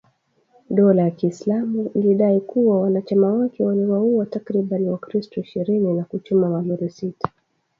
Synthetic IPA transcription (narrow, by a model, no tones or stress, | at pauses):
ɗɔlajakiːslamuiliɗaikuwawanat͡ʃamawakɛwaliwauatakɾiɓaniwakɾistɔiʃiɾininakut͡ʃumamamuɾisitḁ